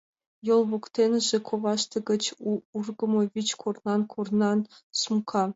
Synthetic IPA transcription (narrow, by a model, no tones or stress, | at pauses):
jolˠvukt̪ʲenʲɘʒĕkʰoʋɑʂt̪ɤ̆ɡʲɘ̆t͡ɕurɡɤ̆mŏvʲit͡ɕkʰornɑnkʰornɑnsumkʰɑ